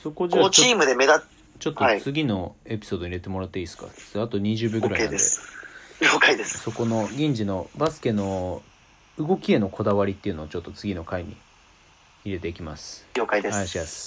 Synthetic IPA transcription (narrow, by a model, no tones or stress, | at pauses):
so̞ko̞d͡ʑat͡ɕoiːmɯ̟d̪eme̞d̪a | t͡ɕo̞t̪ːoait͡sɨɡʲino̞e̞pʲi̥so̞ːd̪oiɾe̞t̪e̞mo̞ɾat̪ːeiːsɨ̥ka̰̥at̪o̞ɲ̟iʑɨːbʲoɡɯɾaienaed̪eɡʲoːkaid̪esso̞ko̞no̞ɡʲĩɲ̟d͡ʑino̞basɨ̥ke̞no̞ | ɯ̟ɡo̞kʲie̞no̞kʰo̞d̪aβaɾʲit̪ːeɯ̟no̞t͡ɕo̞t̪ːo̞t͡sɨɡʲino̞kaiɲ̟ḭː | ɾe̞t̪e̞ikʲimasɨ̥ɡʲoːkaid̪eaaɕimasɨ̥